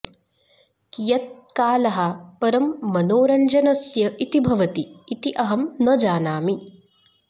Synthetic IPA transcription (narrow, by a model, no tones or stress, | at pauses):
kijɐt̪̚kaːlɐɦɐpɐɾɐmːɐnoːɾɐɲd͡ʒɐnɐsjɐʔit̪ibʱɐʋɐt̪iːt̪iʔɐɦɐmnɐd͡ʒaːnaːmi